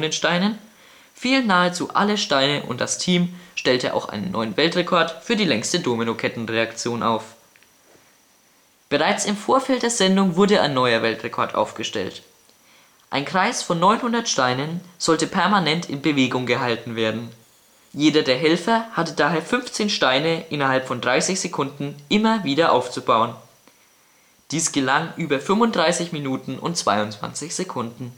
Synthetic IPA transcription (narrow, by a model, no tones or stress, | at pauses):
nənʃtaɪnən | fiːlnːaːət͡suːʔa̰ləʃtaɪnəʔʊ̰nt̚d̥astʰiːmʃtɛltəʔa̰ʊxʔa̰ɪnənːɔʏənvɛltʁ̥ekʰɔɐtfyːɐdiːlɛŋstədoːminokʰɛtn̩ʁeakt͡sjoːnʔa̰ʊf | b̥əʁaɪt͡sɪmfoːɐfɛlt̚d̥eːɐzɛndʊŋvʊɐdəa̰ɪnːɔʏɐvɛltʁekʰɔɐtʔa̰ʊfɡ̥əʃtɛ̰lt | ʔa̰ɪnkʁ̥aɪsfɔnːɔʏnhʊndɐtʃtaɪnənz̥ɔltəpʰɛɐmanɛntʰɪnbəveːɡʊŋɡəɦaltn̩veːɐdn̩ | jeːdɐdeːɐɦɛlfɐhatədaːɦeːɐfʏnft͡seːnʃtaɪnəʔɪnɐɦalpfɔndʁaɪsɪçz̥ekʰʊndn̩ʔɪmɐviːɾɐʔaʊft͡subaʊən | d̥iːsɡ̥əlaŋʔyːbɐfʏmʊntd̥ʁaɪsɪçminuːtn̩ʊ̰ntt͡sv̥a̰ɪʊnt͡sv̥a̰nt͡sɪçz̥ekʰʊndn̩